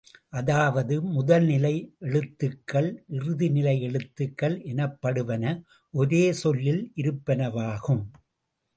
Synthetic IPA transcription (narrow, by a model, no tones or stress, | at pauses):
ʔɐðaːʋɐðɯmʊðɐlnɪlɐɪʔɛɭɯt̪ːɯkːɐɭʔɪrɯðɪnɪlɐɪɛɭɯt̪ːɯkːɐɭʔɛnɐpːɐɽɯʋɐnɐ | ʔɔɾeːsɔlːɪlʔɪɾɯpːɐnɐʋaːɣɯm